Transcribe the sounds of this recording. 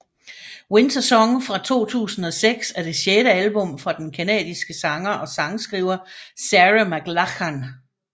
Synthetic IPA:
went͡sʰɐsɒ̽ŋfʁɑ̈t͡sʰo̝̰ːt͡sʰṵːsn̩ɒ̽seɡ̥sæɐd̥e̝ɕjeɾəælb̥ɔ̽mfʁɑ̈d̥enkʰænɛ̰ːdˠisɡ̥əsɑ̈ŋɐʔɒ̽sɑ̈ŋsɡ̥ʁḭːʊ̰ɐsæʁamæɡ̥lɑkæn

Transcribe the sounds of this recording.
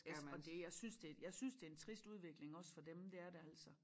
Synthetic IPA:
æɒd̥e̝jɑ̈ɪsynsd̥e̝jɑ̈ɪsynsd̥e̝ɐent͡sʰʁisd̥uð̞ˠʋe̝ɡ̥le̝ŋɒ̽sfɒ̽d̥emd̥e̝æɐdeæl̰sɒ

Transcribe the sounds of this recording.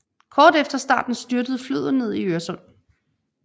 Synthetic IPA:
kʰɒːd̥efd̥ɐsd̥ɑ̰̈ːd̥n̩sd̥yɐd̥əð̞̩ˠflø̰ð̞̰ˠne̝ð̰ˠiøɐsɔ̽n̰

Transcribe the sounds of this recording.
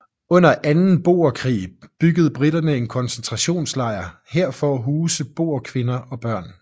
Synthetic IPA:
ɔ̽n̰ɐʔænn̩b̥o̝̰ːɐkʰʁḭːb̥yɡ̥əð̩ˠb̥ʁid̥ɐnəe̝nkʰɒ̽nsent͡sʰʁɑ̈ɕo̝̰ːnslɑ̈ɪ̰ɐheɐ̰fɒɦuːsəb̥o̝̰ːɐkʰʋe̝nɐʔɒ̽b̥ɶɐ̰n

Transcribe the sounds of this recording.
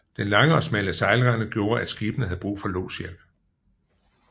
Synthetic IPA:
d̥enlɑ̈ŋəɒ̽smæləsɑ̈ɪləʁænəɡ̥jo̝ːɐʔæ̥sɡ̥iːb̥ənəhæð̩ˠb̥ʁṵːfɒ̽lo̰ːsjel̰b̥

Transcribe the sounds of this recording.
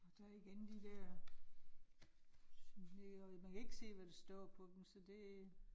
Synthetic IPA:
ɒd̥æiɡ̥end̥id̥æɐ | mdeɒmænkʰæe̝ɡ̥se̝̰ːʋæd̥esd̥ɒ̰ːpʰɒ̽d̥emsɒ̽d̥e̝

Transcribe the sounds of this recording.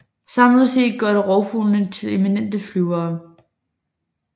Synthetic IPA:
sɑ̈mlðˠse̝̰ːd̥̚ɡ̥ɶɐ̰ɾ̥eʁɒʊfulnət͡sʰe̝le̝minen̰d̥əflyʊɐː

